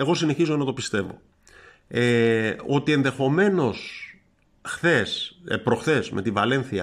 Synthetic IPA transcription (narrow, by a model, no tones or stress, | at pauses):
e̞ɣo̞sine̞çizonɐt̪o̞pist̪e̞vo̞̰ | eo̞t̪ie̞nðe̞xo̞me̞no̞s | xθe̞spɾo̞xθe̞zme̞t̪ivɐle̞nθiɐ